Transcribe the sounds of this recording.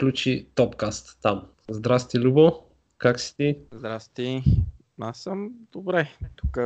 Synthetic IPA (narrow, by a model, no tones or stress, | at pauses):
klʲut͡ʃit̪ɔpkast̪ːam | zd̪ɾast̪ilʲubo | kaksi̥t̪izd̪ɾast̪i | asəmd̪obɾɛt̪ukə